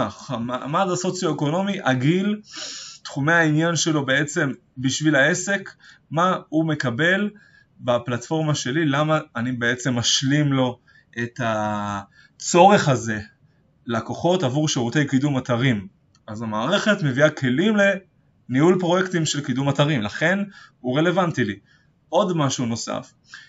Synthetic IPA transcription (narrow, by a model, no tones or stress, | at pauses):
χamamadaso̞t͡sjoeko̞no̞miʔaɡil | tχumeainjanʃe̞lo̞be̞e̞t͡se̞m | biʃvilae̞se̞k | maume̞kabe̞l | baplatfo̞ʁmaʃe̞lilamaːnibeet͡se̞mːaʃlimlo̞ | ʔe̞ta | t͡so̞ʁe̞χaze̞ | lako̞χo̞tavuʁʃeʁute̞jkidumataʁim | azamaːʁe̞χe̞tme̞viakʰe̞limle̞ | nihulpʁo̞jekt̪imʃe̞lkidumataʁimlaχe̞nuʁe̞le̞vantili | ʔo̞dmaʃuno̞sa̰f